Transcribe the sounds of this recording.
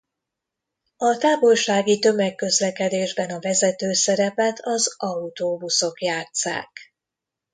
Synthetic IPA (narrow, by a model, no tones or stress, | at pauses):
ɒt̪aːvo̞lʃaːɡit̪ø̞mɛkːø̞zlɛkɛd̪eːʒbɛnɒvɛzɛt̪øːsɛɾɛpɛt̪ʰɒzɒut̪oːbuso̞kjaːt̪sa̰ːk